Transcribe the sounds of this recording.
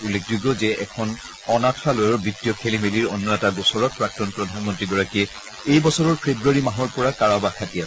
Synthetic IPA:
ulːekʰd͡ʒuɡɔzɛʔɛkʰɔn | ɔnakʰalojɔɹbitːijɔkʰelimeliɹɔnːɔɛtaɡɔsɔɹɔt̚pɹak̚tɔnpɹɔdʱanmɔntɹiɡɔɹakiɛ | ejbɔsɔɹɔɹpʰebɹuaɹimaɦɔɹpɔɹakaɹabakʰatias

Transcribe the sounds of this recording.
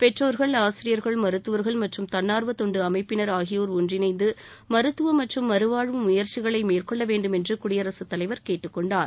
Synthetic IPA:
pɛʈroːɾɣɐɭaːsɪɾɪjɐɾɣɐɭmɐɾɯt̪ːɯʋɐɾɣɐɭmɐʈrɯmt̪ɐnːaːɾʋɐt̪ɔɳɖɯɐmɐɪpːɪnɐɾaːɣɪjoːɾʊndrɪnɐɪnd̪ɯ | mɐɾɯt̪ːɯʋɐmɐʈrɯmːɐɾɯʋaːɻɯmːʊjɐɾt͡ʃɪɣɐɭɐɪmeːrkɔɭːɐʋeːɳɖɯmɛndrɯkʊɽɪjɐɾɐsɯt̪ːɐlɐɪʋɐɾkeːʈːɯkːɔɳɖaːɾ

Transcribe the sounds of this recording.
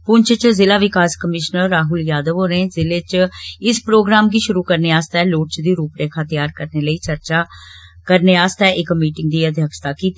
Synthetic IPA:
pʊɲt͡ʃʰt͡ʃzɪlaːʋɪkaːskəmɪʃnəɾːaːɦʊljaːd̪əʋoːɾẽːzɪleːt͡ʃɪspɾoːɡɾaːmɡiːʃʊɾuːkəɾneaːst̪ɛːloːʈ̚t͡ʃd̪iːɾuːpɾeːkʰaːt̪ɪjaːɾkəɾneːləiːt͡ʃəɾt͡ʃaː | kəɾneːaːst̪ɛːʔɪkmiːʈɪ̃ŋɡ̚d̪iːəd̪ʱjəkʃt̪aːkiːt̪i

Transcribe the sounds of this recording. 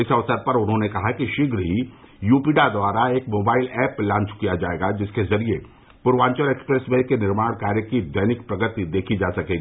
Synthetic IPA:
ɪsɐʋsəɾpɐɾʊnɦõnekɐɦakiʃɪɡɾɦi | juːpiːɖad̪waːɾaeːkmoːbaːɪlɛːplãːɲt͡ʃkijad͡ʒaːeːɡad͡ʒɪskezɐɾie | pʊɾʋãːɲt͡ʃəɾeːkspɾeːsmẽkenɪɾmaːɽ̃kaːɾjəkid̪ɐjnɪkpɾɐɡət̪id̪eːkʰid͡ʒaːsɐkeːɡiiː

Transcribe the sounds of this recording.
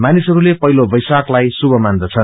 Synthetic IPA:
manisɦʌɾulepʌɦilobʌjsaklajsubʱʌmand̪ʌt͡sʰʌn

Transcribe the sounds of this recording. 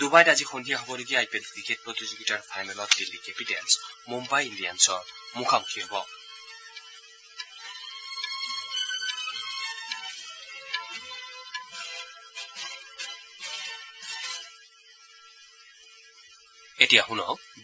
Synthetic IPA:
d̪̥ubajdazixɔndʱijaɦɔbɔleɡiajpelkʰɹiket̚pɹɔt̪izuɡitaɹpʰajnɔlɔtdilːikepitɛlsmumbajindijansɔɹmuxʰamukʰiɦɔbɔ | etijaxunɔ

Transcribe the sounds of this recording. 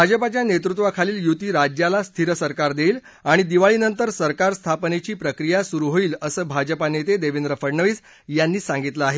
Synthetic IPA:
bʱad͡zəpat͡ɕjanet̪ɾut̪ʋakʰaliːljut̪iːɾad͡ʑjalast̪ʰiɾəsəɾkaɾd̪eil | aɽ̃id̪iʋaɭiːnənt̪əɾsəɾkaɾst̪ʰapnet͡ɕiːpɾəkɾijasuɾuɦoiːləsəːbʱad͡ʑəpanet̪ed̪eʋind̪ɾəfəɾɳəʋiːs | janːiːsãŋɡit̪ləaɦe

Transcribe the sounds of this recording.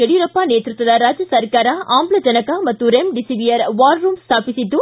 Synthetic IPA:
eɽijɾɐpːaːneːt̪ɾɯt̪ːɐlaɾaːd͡ʒɐsɐɾkaːɾaːʔaːmblɐd͡ʒɐnɐkaːmɐt̪ːuɾemɖɪsiʋijɐɾʋaːɾɾuːmst̪ʰaːpɪsɪt̪ːu

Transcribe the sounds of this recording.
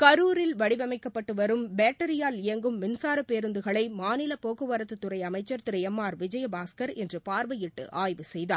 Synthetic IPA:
kɐɾuːɾɪlʋɐɽɪʋɐmɐɪkːɐpːɐʈːɯʋɐɾɯmbeːʈːɐɾɪjaːlɪjɐŋɡɯmːɪnsaːɾɐpeːɾɯnd̪ɯɣɐɭɐɪmaːnɪlɐpoːɣɯʋɐɾɐt̪ːɯt̪ːʊɾɐɪɐmɐɪt͡ʃːɐɾt̪ɪɾɐjɐmːaːɾʋɪd͡ʒɐjɐbaːskɐɾɛndrɯpaːɾʋɐjɪʈːɯ̰ʔaːjʋɯsɛjðaː

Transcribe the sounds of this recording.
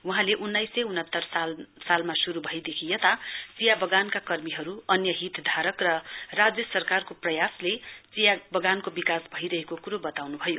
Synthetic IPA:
wuɦãleʔunːʌjsːʌjunɦʌt̪ːʌrsasalmasuɾubʱʌjd̪ekʰijʌt̪at͡sijabʌɡankakʌrmiɦʌɾuʌnjʌɦit̪d̪ʱaɾʌkrʌrad͡zjʌsʌrkarkoprʌjaslet͡sijabʌɡankobikasbʱʌiɾʌɦekokuɾobʌt̪awnubʱʌjo

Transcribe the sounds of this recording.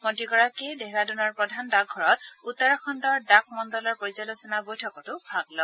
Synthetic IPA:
mɔtiɡɔɹakedeɦɛɹadunɔɹpɹɔdʱandaɡ̚ɡʱɔɹɔt̚utːɔɹɔxʰɔndɔɹdak̚ʰmɔndɔlɔɹpoɹizɔlosɔnabojtʰɔkɔtʊbʱaɡlɔ

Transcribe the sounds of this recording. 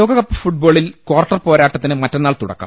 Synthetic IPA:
oːɡɐɣɐpːɨfuʈ̚bo̞ːɭilkwɐːrʈːɐrpoːɾaːʈːɐt̪ːinɨmɐtːonːaːɭt̪uɽɐ̰kːa̰m

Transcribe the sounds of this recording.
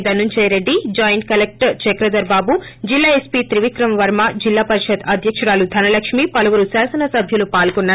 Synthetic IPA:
d̪ɐnːuɲt͡ʃeɾeɖːid͡ʒaːjɳʈ̚kɐlek̚ʈɐt͡ʃekɾɐd̪ɐɾbaːbu | d͡ʒilːaːespit̪ɾiʋikɾɐmʋɐɾmad͡ʒilːaːpɐɾiʃɐt̪ɐd̪ʱjɐkʂɐɾaːlud̪ʱɐnɐlɐkʂmipɐlɐʋuɾusaːsɐnɐsɐbʱjɐlupaːlɡɔnːaː

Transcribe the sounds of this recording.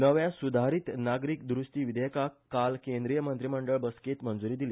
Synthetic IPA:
nəʋjasud̪ʱaɾiːt̪naɡɾik̚d̪ɾusʈ̪iːʋid̪ʱekakkːalkẽnd̪ɾijəmənt̪ɾiməɳɖəɭbəsket̪mənd͡zuɾiːd̪ili

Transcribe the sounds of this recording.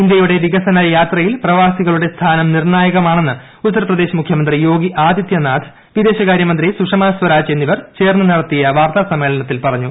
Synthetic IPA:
ind̪jɐjuɽe̞ʋiɣɐsɐnɐjaːt̪rɐjilprɐʋaːsiɣɐɭuɽe̞st̪ʰaːnɐmnirɳaːjɐɣɐmaːɳe̞nːɨ | ut̪ːɐɾɐprɐd̪e̞ːɕɐmukʰjɐmɐnd̪rijo̞ːɡiʔaːd̪jit̪jɐnaːd̪ʰ | ʋid̪e̞ːɕɐkaːɾjɐmɐnd̪risuʂɐmaːsʋɐɾaːd͡ʑe̞nːiʋɐrt͡ɕe̞ːrnːɨnɐɽɐt̪ːijɐʋaːrt̪asɐmːeːɭɐɳɐt̪ːilpɐrɐɲːu

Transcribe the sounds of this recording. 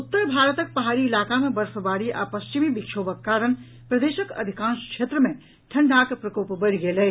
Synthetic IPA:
ut̪ːəɾbʱaɾət̪ək̚pəɦaɾiːlakamebəɾfʰəbaɾiʔa̰pəst͡ʃimibikʃʰobəkːaɾəñ | pɾəd̪esəkə̰d̪ʱikãnskʃʰet̪ɾəme | ʈʰəɳɖʱakpɾəkopbəɽɡele

